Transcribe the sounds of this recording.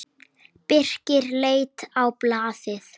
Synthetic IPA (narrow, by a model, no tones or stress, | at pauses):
pɪr̥cɪɾleːjt̪awplaːðɪθ